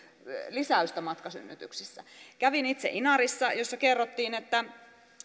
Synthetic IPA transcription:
lisæˑyst̪æmɑt̪kɑsy̰nːyt̪yksisːæ̰kæʋinit̪sḛʔinɑrisːɑjosːɑkerːot̪ːiːnet̪ːæ

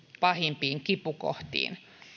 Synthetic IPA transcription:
pɑhimpiːŋkipuko̰ht̪ḭːn

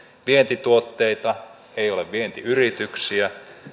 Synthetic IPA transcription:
ʋient̪it̪uot̪ːeit̪ɑ | eijo̞leʋʋient̪iyrit̪yksiæ

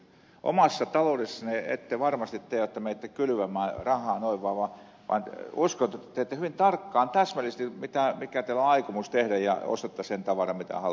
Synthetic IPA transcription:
ʔo̰mɑsːɑt̪ɑlodesːɑneḛt̪ːeʋɑrmɑst̪it̪ːeiʋæt̪ːæmeit̪ːækylyʋæmːˑæːrɑhˑɑːnoiʋːɑːʋɑ | ʋɑ̰nuskont̪et̪ːæt̪eet̪ːehyʋint̪ɑrkːɑːnt̪æsmælist̪imit̪æmikæt̪eiloɑikumust̪ehɾæjjɑ̰o̰st̪et̪ːɑsent̪ɑʋɑrɑmit̪æ̰hɑ

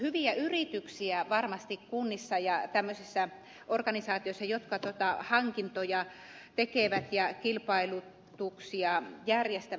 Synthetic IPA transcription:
hyʋiæyrit̪yksiæʋɑrmɑst̪ikkunːisːɑjɑt̪æmːøsisːæ | orkɑnisɑːt̪iosːɑjot̪kɑt̪uot̪ɑhɑŋkint̪ojɑ | t̪ekeʋæt̪jɑkilpɑilu | t̪uksiɑjærjest̪æ

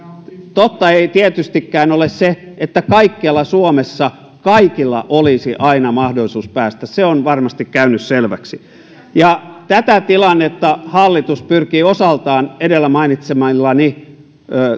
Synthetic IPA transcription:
t̪ot̪ːɑeit̪iet̪yst̪ikːæːnolesse | et̪ːækɑikːiɑlːɑsuomesːɑ | kɑikilːɑ̰ʔolisiʔɑinɑmɑhdolisuːspæːst̪æsseonʋɑrmɑst̪ikkæynysselʋæ̰ksi | jɑt̪æt̪æt̪ilɑnːet̪ːɑhɑlːit̪uspyrkiːosɑlt̪ɑːnedelːæmɑinit̪semɑlːɑni | øː

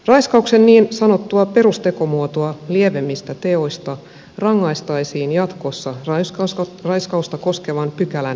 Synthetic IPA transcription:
rɑjskɑukse̞nniːnsɑno̞t̪ːuɑpe̞ɾust̪e̞ko̞muot̪oɑlieʋe̞mːist̪æt̪e̞o̞jst̪ɑ | rɑŋːɑjst̪ɑisiːnjɑt̪ko̞sːɑrɑskɑrɑjskɑust̪ɑko̞ske̞ʋɑnpykælæn

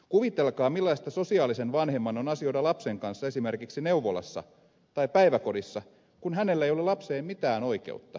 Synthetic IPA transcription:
kuʋit̪elkɑːmilːɑist̪ɑso̞siɑːlisenʋɑnhemːɑnonɑsio̞dɑlɑpseŋkɑnsːɑesimerkiksineuʋolɑ̰sːɑ̰ | t̪ɑipæiʋækodisːɑ | kunhænelːæejolelɑpseːmmit̪æːnoikḛut̪ːɑ

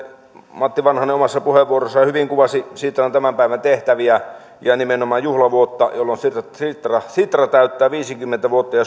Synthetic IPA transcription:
mɑt̪ːiʋɑnhɑnːeomɑsːɑpuheʋʋuorosːɑhyʋiŋkuʋɑsisit̪rɑnt̪æmæmpæˑiʋænt̪eht̪æʋiæ | jɑnimenomˑɑːjjuhlɑʋuot̪ːɑjolːonsirsit̪rɑsit̪rɑt̪æˑyt̪ːæːʋiːsikymːent̪æʋuot̪ːɑjɑ

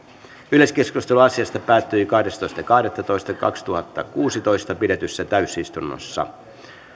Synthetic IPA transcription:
yleskeskust̪eluɑsiɑst̪ɑpæːt̪ːyikɑhdest̪o̞ist̪ɑkɑhdet̪ːɑt̪o̞jst̪ɑkɑ̰kst̪uhɑt̪ːɑkuːsit̪o̞jst̪ɑpide̞t̪ysːæt̪æysist̪unːo̰sːɑ̰

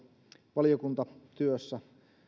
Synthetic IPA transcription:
ʋɑlijokunt̪ɑt̪yøsːæ

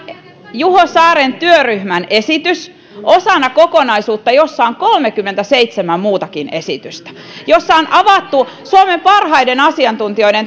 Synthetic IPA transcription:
juhosɑːɾent̪yøryhmænesit̪ys | ʔosɑnːɑkokonɑisuːt̪ːɑjosːɑoŋkolmekymːent̪æseit̪semæmmuːt̪ɑkinesit̪yst̪æ̥ | josːɑonʔɑʋɑt̪ːu | suomempɑrhɑidenɑsiɑnt̪unt̪ioiden

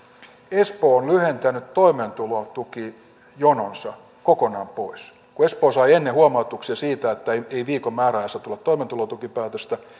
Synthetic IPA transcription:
espoːonlyhent̪ænyt̪toiment̪ulot̪uki | jononsɑ | kokonɑːmpois | kuespoːsɑienːehuɑmɑut̪uksiɑsiːt̪æet̪ːæeieiʋiːkommæːrælæst̪æt̪ulːɑt̪t̪ːoiment̪ulot̪ukipæːt̪øst̪æ

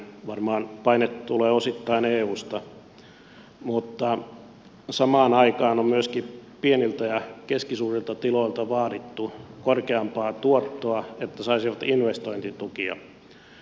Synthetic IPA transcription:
ʋɑrmɑːnpɑinet̪t̪uleːosit̪ːɑineːuːst̪ɑ | mut̪ːɑ | sɑmɑːnɑikɑːnommyøskipienilt̪æjɑkeskisuːrilt̪ɑt̪iloilt̪ɑʋɑːɾit̪ːukorkeɑmpɑːt̪uot̪ːoɑet̪ːæsɑisiʋɑt̪inʋest̪oint̪it̪ukiɑ̰

